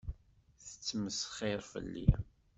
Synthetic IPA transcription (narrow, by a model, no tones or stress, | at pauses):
θə̥t͡sːməsχɪɾˤfə̰lːḭ